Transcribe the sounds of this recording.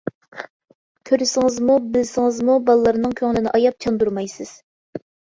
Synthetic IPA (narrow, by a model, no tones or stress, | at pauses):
kʲʰøɾɪsɪŋɨzmubɪlsɪŋɨzmubɑlˠlːˠəɾnɨŋkʲʰøŋlɪnɪʔɑjɑp̚t͡ʃʰɑnd̪uɾmɑjsɨz̥